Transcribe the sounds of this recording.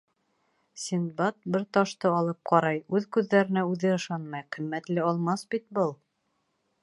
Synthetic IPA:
sʲind̪̚bɑt̪̚bɘɾt̪ɑʃt̪ɤɑlˠɤp̚qɑɾɑjʉðkʉðːæɾɘ̆næʉðɘɤ̆ʃɑnmɑjqĭmːæt̪lɘɑlˠmɑsbit̪̚bɤlˠ

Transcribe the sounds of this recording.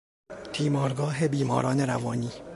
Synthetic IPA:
t̪ʰiːmɒːɾɡɒːɦebiːmɒ̰ːɾɒːneɾævɒːniː

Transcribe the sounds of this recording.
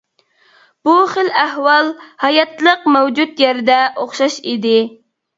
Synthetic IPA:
b̥uχəlæhwɑlˠhɑjɑt̪lˠəqmɛwd͡ʒut̪jɛɾd̪ɛʔoχʃɑʃid̪ɪ

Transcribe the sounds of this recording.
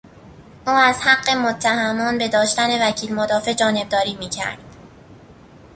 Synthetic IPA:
ʔuːæzhæɢːe̞mot̪ʰːæhæmɒːnbe̞d̪ɒːʃt̪æne̞væcʰiːlmod̪ɒːfe̞d͡ʒɒːne̞b̚d̪ɒːɾiːmiːcʰæ̰ɾd̪̥

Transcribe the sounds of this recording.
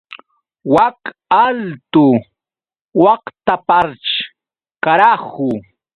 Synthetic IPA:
wakalt̪ʊ | wɑkt̪apaɾt͡ʃ | kaɾahʊ

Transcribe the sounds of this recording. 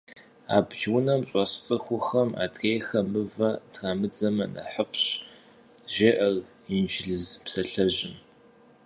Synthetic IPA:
a̰ːbd͡ʒwʊnɐmɕʼɔɕt͡sʼɨxʷʊxɐma̰ːtʰʼrʼeːjxɐmɨvɐdramɨd͡zɐmɐnɐ̰ħəfɕ | ʒeʔɐr | ind͡ʒɪɮɨzpsɐɬɐʑɪm

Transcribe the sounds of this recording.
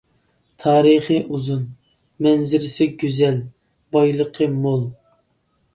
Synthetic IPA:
t̪ʰɑːɾɨχiʔuzun | mɛnzɪɾɪsɪɡʲyzɛl | bɑjlˠəqʰəmolˠ

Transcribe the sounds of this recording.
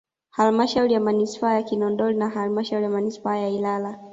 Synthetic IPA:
halmaʃauɾijamanispaajakinɔndɔlinaɦalmaʃauɾijamanispaajailala

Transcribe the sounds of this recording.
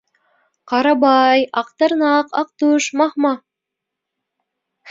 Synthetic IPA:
qɑɾɑbɑjɑqt̪ɑɾnɑqɑq̚t̪uʃmɑhmɑ

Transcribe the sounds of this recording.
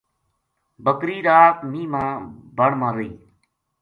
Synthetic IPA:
bəkɾiːɾaːt̪mĩːmãːbəɳmãːɾiː

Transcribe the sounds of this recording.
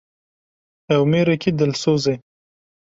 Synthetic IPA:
awmeɾakid̪əlsozaj

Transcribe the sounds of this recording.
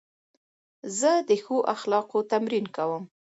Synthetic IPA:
zəd̪əxoʔaxlɑqot̪amɾinkawəm

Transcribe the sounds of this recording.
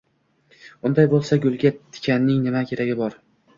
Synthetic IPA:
ʊnd̪ajbolˠsaɡʲʊlˠɡʲat̪ʰɪ̥kʲʰanːɪŋnɪmakʲʰe̞ɾaɡʲɪbɒɾ

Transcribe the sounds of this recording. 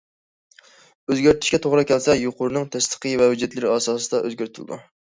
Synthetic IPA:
øzɡʲæɾt̪ʰy̥ʃkʲɛt̪ʰoʁɾɨkʲɛlsɛjuqʊɾɨnɨŋt̪ʰɛst̪ə̥qɨjvɛwyd͡ʒɛt̪lɪɾɪɑːsɑːsɨd̪ɑʔø̰zɡʲæɾt̪ʰɪlɨ̰d̪ṵ

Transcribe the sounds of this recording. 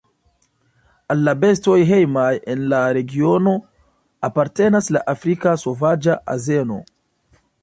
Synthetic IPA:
alːabe̞sto̞jɦe̞jmaje̞nlaɾe̞ɡio̞no̞ | apaɾte̞naslaʔafɾikaso̞vad͡ʒaʔa̰ze̞no̞̰

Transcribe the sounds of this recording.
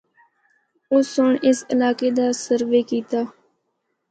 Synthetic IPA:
ʊsʊɳɪsɪlaːkeːd̪aːsəɾʋeːkiːt̪aː

